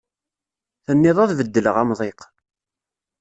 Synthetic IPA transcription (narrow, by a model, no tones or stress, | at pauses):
θənːɪðˤɑðvəd̪ːələʁæmðˤeq